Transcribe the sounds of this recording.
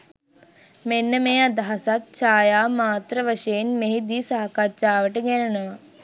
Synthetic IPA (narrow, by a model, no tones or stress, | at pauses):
menːəmeːad̪aɦasat̪̚t͡ʃaːjaːmaːt̪ɾəʋəʃejenmeɦid̪iːsaɦɐkat͡ʃaːʋəʈəɡænənəʋa